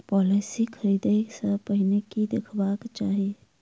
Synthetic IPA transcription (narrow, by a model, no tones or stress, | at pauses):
pɔːlesikʰəɾiːd̪iksəpəɦɪnekid̪ɪkʰbaːkt͡ʃaːɦie